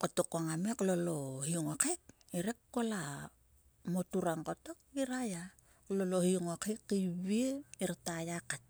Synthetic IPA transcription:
kotokaŋameklolohioŋokek | iɾekkola | motuɾaŋkotok̚iɾaja | klolohioŋokekːiβieiɾatajakat̚

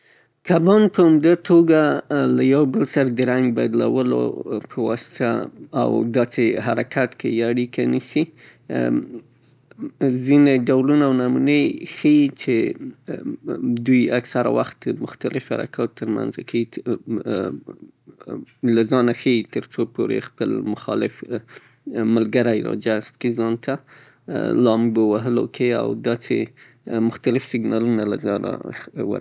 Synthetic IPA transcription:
kabɑnpəamd̪at̪ʰoɡalajawbəlsaɾad̪əɾaŋɡbajd̪la̰wəlo̰pʰəwɑ̰sɪ̥t̪ʰa̰ːwd̪ɑseɦaɾakʰat̪kejaɽikʰanisi | zineɖawlunaːwnɑmunəjxəjit͡ʃe | d̪ujaksaɾa̰waxt̪̚d̪əmʊxt̪alɪfha̰ɾa̰kʰɑt̪t̪ːəɾma̰nzakʰai | lazɑnaxəjit̪əɾt͡sopoɾḛxpəlmʊxɑlɪf | məlɡaɾaɪɾɑ̰d͡ʒaspə̥kezɑnt̪ʰa | lɑmɡowaɦəlo̰kʰea̰wd̪ɑsḛ | mʊxt̪alɪfsɪɡnɑlunalazɑna̰wə̰ɾ

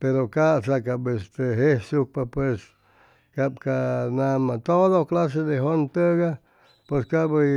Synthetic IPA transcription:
peɾokaʔsakabest̪eɦehsuk̚papwes | kabkanamat̪od̪oklas̬ed̪eɦont̪əɡa | pweskaʔbə

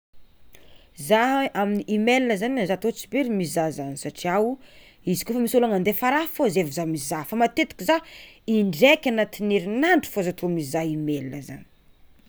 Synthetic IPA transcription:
zaaminiʔimelinəzanazat̪ot͡sibeɾimizazanisaʈ͡ʂiawu | izi̥kʲofamisulaŋand̪efaɾafozevizamizafamat̪et̪i̥kʲizaiɳɖ͡ʐekʲanat̪ineɾinaɳɖ͡ʐu̥fozat̪omizaimelinə̰za̰ni̥

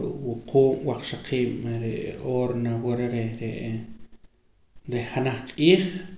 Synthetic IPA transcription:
ɾṵʔwuquːɓwaq͡χʃaqʰiːɓɾeʔoːɾnawoɾeɾeɾeʔ | ɾeχanaχqʼiːχ

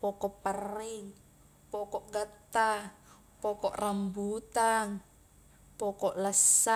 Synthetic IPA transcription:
pɔkɔʔpəriŋ | pɔkɔʔɡət̪ːa | pɔkɔʔrambut̪aŋ | pɔkɔʔləsːa

